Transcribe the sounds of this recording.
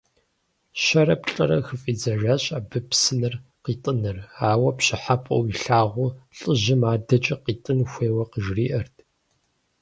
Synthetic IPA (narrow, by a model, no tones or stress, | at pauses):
ɕɐɾɐpɬʼɐ̰ɾɐ̰xɨfʼiːd͡zɐʒaɕʼaːbɨpsɨnɨr | qiːtʼɨnɨraːwɐpɕɪħapʼɐ̰wiɬaːʁʷʊɬʼəʑɪmaːdɐt͡ʃʼɐqiːtʼɨnxʷeːwɐqəʒriːʔɐrtʰ